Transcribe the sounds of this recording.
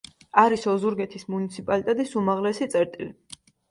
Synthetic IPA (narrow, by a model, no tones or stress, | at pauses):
aɾisɔzuɾɡɛt̪ʰismunit̪sʰipʼalit̪ʼɛt̪ʼisumaʁlɛsit̪sʼɛɾt̪ʼili